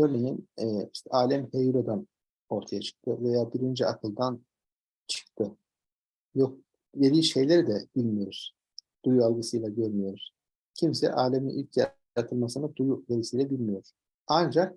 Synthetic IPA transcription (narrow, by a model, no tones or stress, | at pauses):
øɾmʲejinɛːiʃt̪ʰɛʔaːlʲæmhejuɾod̪an | o̞ɾt̪ʰajat͡ʃʰɯ̥k̚t̪ʰɯvejaːbiɾind͡ʒiakʰɯlˠd̪an | t͡ʃʰɯ̥kt̪ʰɯ | jok̚ | ve̞d̪iːʃe̞jlʲeɾid̪ɛb̥ilʲmijo̞ɾuɾ̥ | d̪̥ujualˠɡɯsɯjlˠaɟøɾmijo̞ɾuɾ̥ | cʰimsɛ̰ʔaːlʲeminʔilʲcja | at̪ʰɯlˠmasɯnɯd̪ujuve̞ɾisijlʲɛbilʲmijo̞ɾ̥ | and͡ʒak̚